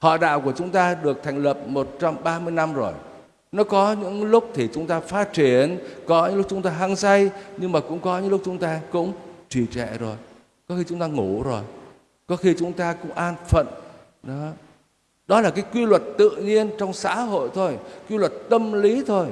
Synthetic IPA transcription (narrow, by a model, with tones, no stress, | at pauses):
hɔ̰˧˨ɗa̰ː˧˨wku˧˩ət͡ɕʊ˨˦ŋ͡mt̪aː˧ɗɨ˨˩ək̚t̪ʰɛ˨˩ŋ̟lə˨˩p̚mo˨˩t̚t͡ɕa˧mɓaː˧mɨ˧əjna˧mzo˨˩j | nɔ˨˦kɔ˨˦ɲɨ̰˧˥ŋlʊ˦˥k͡p̚t̪ʰi˨˩t͡ɕʊ˨˦ŋ͡mt̪aː˧faː˦˥t̚t͡ɕi˧˩ənkɔ˨˦ɲɨ̰˧ŋlk͡p̚t͡ɕʊ˨˦ŋ͡mt̪aː˧ɦa˧ŋsa˧jɲɨ˧ŋmaː˨˩kʊ̰˧˥ŋ͡mkɔ˨˦ɲɨ̰˧˥ŋlʊ˦˥k͡p̚t͡ɕʊ˨˦ŋ͡mt̪aː˧kʊ̰˧˥ŋ͡mt͡ɕi˧˨˩t͡ɕɛ̰˧˨zo˨˩j | kɔ˨˦xi˧t͡ɕʊ˨˦ŋ͡mt̪aː˧ŋu˧˩zo˨˩j | kɔ˨˦xi˧t͡ɕʊ˨˦ŋ͡mt̪aː˧kʊ̰˧˥ŋ͡mʔaː˧nfə̰˧˨n | ɗɔ˨˦ | ɗɔ˨˦laː˨˩kaː˨˦jkwi˧lwə˨˩t̚t̪ɨ̰˧˨ɲi˧ənt͡ɕɔ˧wŋ͡msa̰ː˧˥ɦo̰˧˨jt̪ʰo˧jkwi˧lwə˨˩t̚t̪ə˧mli˨˦t̪ʰo˧j